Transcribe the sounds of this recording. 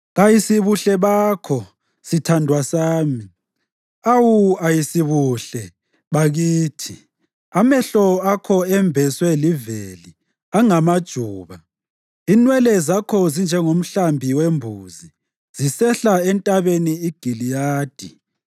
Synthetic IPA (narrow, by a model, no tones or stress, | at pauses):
ɣajisiβuɬɛβaːkʰɔ | sitʰandʱwasaːmi | awuajisiβuɬɛ | βaɣiːtʰi | amɛɬɔakʰɔɛmbʱɛswɛliveli | aŋamad̥ʒ̥ʱuːβa | inwɛlɛzakʰɔzind͡ʒʱɛŋom̩ɬambʱiwembʱuːzi | z̥isɛɬaɛntʼaβeniiɡ̥ʱilijaːd̥ʱi